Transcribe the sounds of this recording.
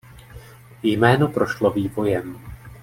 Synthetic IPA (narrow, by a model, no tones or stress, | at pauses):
jmɛːno̞pɾoʃloviːvo̞jɛm